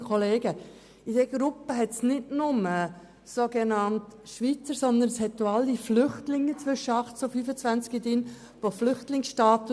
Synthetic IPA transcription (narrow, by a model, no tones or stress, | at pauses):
kʰoleːɡə | id̥ɛɡ̥ɾʊpəɦɛtsnɪdnʊmə | soːɡenɑntʃʋit͡səɾsɔnd̪ənshɛt̪ːoɑlːiflʏχtlɪŋːət͡sʋʏʃəɑχtsofyːfət͡sʋænt͡skid̪in | ʋoflʏχtlɪŋsʃtɑːt̪